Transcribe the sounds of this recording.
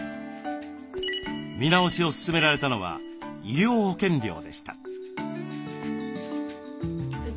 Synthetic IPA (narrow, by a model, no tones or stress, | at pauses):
mʲinao̞ɕio̞sɨ̥sɨme̞ɾaɾe̞t̪ano̞β̞a̰ | iɾʲo̞ːho̞kẽ̞ɲɾʲo̞̰ːd̪e̞ɕi̥t̪a̰